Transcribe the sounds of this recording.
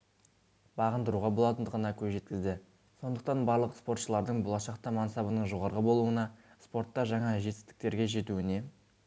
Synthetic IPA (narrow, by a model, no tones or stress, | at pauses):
bɑʁənd̪əɾuʁɑbo̞lˠɑt̪ənd̪əʁənɑkʲʰɵzʒe̞t̪̚kʲɪzd̪ɪ | so̞nd̪əq̚t̪ɑnbɑɾlˠəqspo̞rt̪ʃəlˠɑɾd̪əɴbolˠɑʃɑqt̪ɑmɑnsɑbənəɴʒo̞ʁɑɾʁəbo̞lˠuənɑ | spo̞ɾt̪ːɑʒɑɴɑʒe̞t̪ɪ̥st̪ɪ̥k̚t̪e̞ɾɡʲe̞ʒe̞t̪uɪne̞